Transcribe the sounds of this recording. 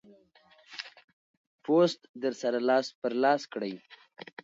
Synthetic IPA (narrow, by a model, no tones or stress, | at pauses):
post̪d̪əɾsaɾalɑːspəɾlɑskɽəj